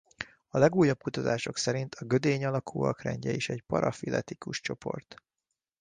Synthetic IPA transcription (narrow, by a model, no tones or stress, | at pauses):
ɒlɛɡuːjːɒb̚kut̪ɒt̪aːʃo̞ksɛɾint̪ʰɒɡø̞d̪eːɲɒlɒkʰuːɒ̰krɛ̰ɲɟɛiʃɛɟpɒɾɒfilʔɛ̰t̪ikuʃt͡ʃo̞pʰo̞̰rt̪